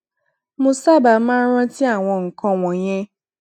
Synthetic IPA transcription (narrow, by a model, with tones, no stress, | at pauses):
mʊ̃˨sa˦ba˨˦ma˦ɾã˦ti˦a˨ŋʷɔ̃˨ŋ̩˨kɔ̃˦ŋʷɔ̃˨ɲe˦